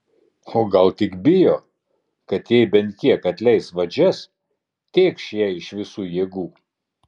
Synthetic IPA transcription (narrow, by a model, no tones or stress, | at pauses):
oːɡɐlˠt̪ʲɪkbʲɪjoː | kɐt̪jɛɪbʲɛnʲt̪̚ʲkʲiɛkɐt̪ʲlʲɛɪsʋɐd͡ʒʲɛs | t̪ʲeːkʃjɛɪʃʋʲɪsuːjeːɡuː